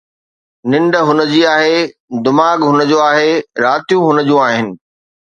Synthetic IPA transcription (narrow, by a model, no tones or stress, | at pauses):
nɪ̃ɳɖə̆ɦʊnəd͡ʑiːaːɦed̪ʊmaːɠɦʊnəd͡ʑoːaːɦeɾaːt̪ijũɦʊnəd͡ʑũaːɦɪnɪ̆